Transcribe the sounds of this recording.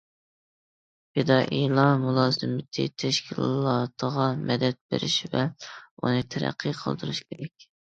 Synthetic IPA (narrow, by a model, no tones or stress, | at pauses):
ped̪ɑʔilˠɑmulˠɑːzɨmɪt̪ʰɨ̰t̪ʰɛʃkʲʰilˠllˠɑt̪ʰəʁɑmɛd̪ɛt̪̚bḛɾɪʃvɛṵnɨt̪ʰɛɾæ̰qʰːɨqʰə̰lˠd̪ɨɾuʃkʲʰeɾɛk̚ʲ